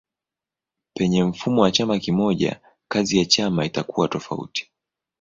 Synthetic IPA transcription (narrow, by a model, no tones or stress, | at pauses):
pɛɲɛm̩fumɔwat͡ʃamakimɔʄa̰ | kazijat͡ʃamaitakuwatɔfa̰ṵti̥